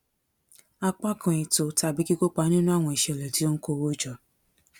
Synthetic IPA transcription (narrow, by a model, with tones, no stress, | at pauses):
a˧k͡pa˦kʰã˧i˨to˨ta˧˨bi˨˦ki˦ko˦k͡pa˨˦nĩ˦nũ˦a˦˨w̃ɔ̃˧i˨ʃɛ˨lɛ˨ti˨˦o˦n̩˦ko˧˨wo˦d͡ʒɔ˨